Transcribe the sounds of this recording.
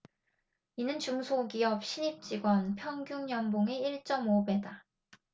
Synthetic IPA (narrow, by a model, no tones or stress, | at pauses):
inɯnt͡ɕuŋsʰoɡiʌp̚ɕʰiɲip̚t͡ɕ͈iɡwʌnpʰjʌŋɡjuŋjʌmboŋe̞iɭt͡ɕ͈ʌmobe̞da